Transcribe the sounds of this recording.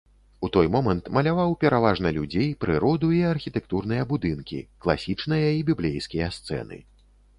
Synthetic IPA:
ut̪ɔjmɔmɐnt̪mɐlʲavawpʲɛɾavaʐnɐlʲud͡zʲejpɾɨɾɔd̪uiarxʲit̪ɛkt̪urn̪ɨjɐbud̪ɨnkʲḭklˠa̰sʲit͡ʂnɨjɐibʲiblʲejskʲijɐst̪sɛ̰nɨ̰

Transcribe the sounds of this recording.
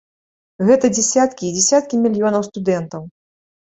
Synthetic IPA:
ɣɛt̪ɐd͡zʲɛsʲat̪kʲid͡zʲɛsʲat̪̚kʲimʲilʲjɔnɐwst̪ud̪ɛnt̪ɐw

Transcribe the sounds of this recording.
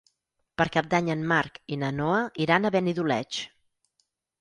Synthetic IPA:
pəɾkap̚d̪aɲənmaɾkinənɔəiɾanəβɛniðulɛ̰t͡ʃ

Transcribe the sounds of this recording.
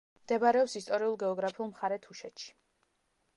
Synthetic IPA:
md̪̥ɛbaɾɛɔpsist̪ʼɔɾiulˠɡɛɔɡɾapʰiulˠmχaɾɛt̪ʰuʃɛt̪ʃi̥

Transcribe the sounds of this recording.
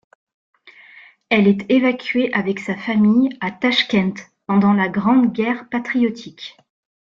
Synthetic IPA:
ɛlɛt̪evakʲɥeʔavɛksafamijat̪aʃkʲɛ̃nt̪ | pɑ̃d̪ɑ̃laɡʁɑ̃d̪ɡʲɛʁpat̪χijɔt̪ʰik

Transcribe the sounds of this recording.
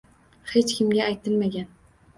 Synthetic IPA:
het͡ʃkʲɪmɡʲaːjt̪ʰɪlmaɡʲan

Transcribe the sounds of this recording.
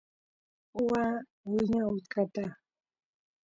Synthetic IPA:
ʊwa | wɪɲaʊt̪kat̪a

